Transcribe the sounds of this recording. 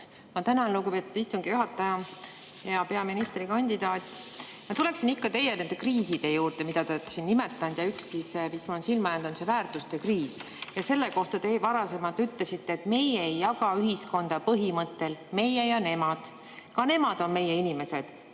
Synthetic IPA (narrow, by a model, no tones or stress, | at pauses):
mɑt̪ænɑnluɡupe̞t̪ːˑud̪̥ist̪uŋɡ̥ijuɦɑt̪ːˑɑjɑ | jɑpe̞ɑminist̪rikɑnʲd̪id̪ɑːt̪ʲː | mɑt̪ule̞ksinikːɑt̪e̞jene̞nd̪̥e̞kriːsid̪̥e̞juːrt̪e̞mid̪̥ɑt̪ɑt̪sinːimet̪ːˑɑnd̪̥jɑyksːismismɑolnsilmɑjɑnd̪onsevæːrt̪ˑust̪ekriːs | jɑse̞lːe̞ko̞ht̪ɑt̪e̞vɑɾɑse̞mɑlt̪yt̪lesit̪ːe̞ːt̪me̞jeejːɑɡɑyɦisko̞nd̪̥ɑpɤɦimɤt̪ːˑe̞lme̞jejɑne̞mɑd̪̥ | kɑne̞mɑd̪̥o̞nme̞jeinime̞se̞d̪̥